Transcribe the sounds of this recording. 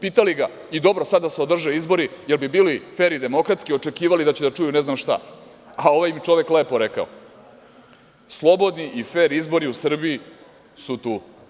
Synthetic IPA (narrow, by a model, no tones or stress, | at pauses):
piːt̪aliɡa | id̪o̞bɾosad̪d̪ːaseo̞d̪r̩ʒeizbo̞ɾijelbibiːlife̞ːɾid̪e̞mo̞kɾat̪skio̞t͡ʃe̞kiːʋalid̪at͡ɕed̪at͡ʂujuneznamʃt̪a̰ | ao̞ʋajmit͡ʃo̞ʋekleːpo̞ɾe̞ka̰o | slˠo̞bo̞d̪niʔife̞ːɾizbo̞ɾiusr̩bii | sut̪uː